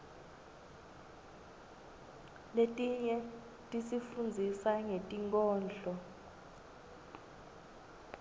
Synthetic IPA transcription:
letʼiɲɛ | tʼisifund͡zʱisaŋetʼiŋkʼɔːnd͡ɮʱɔ

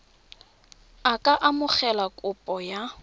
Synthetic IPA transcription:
akʼaʔamʊχɛlakʼʊpʼɔja

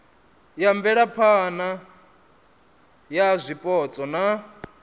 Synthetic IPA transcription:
jaɱvɛɺapʰana | jazʷipʼɔt͡sʼɔna

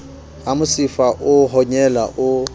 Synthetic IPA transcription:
amʊsifaʔʊɦɔɲɛlaʔʊ

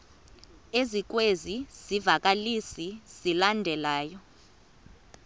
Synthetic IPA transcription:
ezik̬weziz̥ivak̬ʼalisiz̥ilandʱɛlaːjɔ

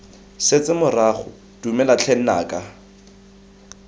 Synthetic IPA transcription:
set͡sʼɪmʊraχʊ̰ | d̥umɛlat͡ɬʰɛn̩na̰ːkʼa

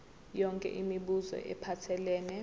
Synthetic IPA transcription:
jɔŋkʼɛ̰ʔimiɓuzɔ̰ʔɛ̰pʰatʰɛlɛːnɛ

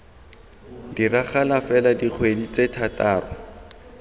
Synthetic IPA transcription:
diraχalafɛladik͡xʰwedit͡setʰataːrɔ

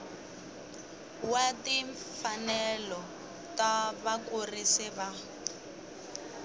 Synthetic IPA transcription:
watiɱfanɛlɔ | taβakurisɪβa

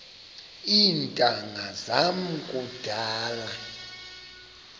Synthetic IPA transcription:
iːntʼaŋazam̩kʼud̥ʱaːla

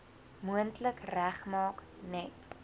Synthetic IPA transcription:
muəntləkræχmɑːk | nɛt

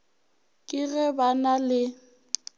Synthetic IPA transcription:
kʼɪɣɛbanalɪ

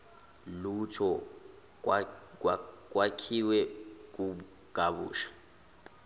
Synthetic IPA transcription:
lutʰɔ | k̬ʼwakʰiwɛk̬ʼu | kʼaβṵːʃḁ

